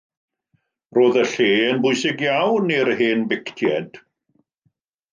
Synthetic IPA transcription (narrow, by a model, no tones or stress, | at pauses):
roːðəɬeːənbʊɨsɪɡjawnirheːnbɪktʰjɛd̥